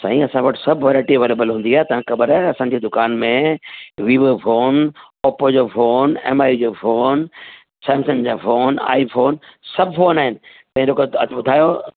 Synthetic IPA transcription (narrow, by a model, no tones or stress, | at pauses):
saːɦĩɐsãʋɐʈɪsɐbʱʋɐɾaːʈiʋeɾeːbəlɦũnd̪iaːɦet̪ɐʋãkɐbəɾaɐsãːɲd͡ʑeːd̪ʊkaːnmẽʋiːʋəfoːn | ɔːpod͡ʑofoːnɛ̰ːmaːjud͡ʑofoːn | saːmsənd͡ʑaːfoːna̰ːifoːnsɐbʱfoːnaːɦɪnɪ̆ | t̪ɐ̃ɦĩlokobʊd̪ʱaːjo